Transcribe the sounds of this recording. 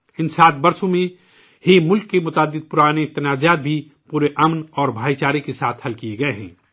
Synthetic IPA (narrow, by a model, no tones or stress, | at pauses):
ɪnsaːt̪̚bɐɾsõmẽ | himʊlkːemʊt̪aːd̪ɪd̪̚pʊɾaːnet̪ɐnaːzjaːt̪̚bʱi | puːɾeʔɐmnɔːɾbʱaːit͡ʃaːɾikesaːt̪ʰhɐlkieɡɐeɦɛ̰̃ː